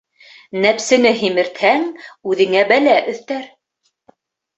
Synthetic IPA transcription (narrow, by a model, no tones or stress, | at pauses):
næpsɘ̆nɘɦimɘ̆ɾt̪hæŋʉðɘ̆ŋæbælæʔɵ̆θt̪æɾ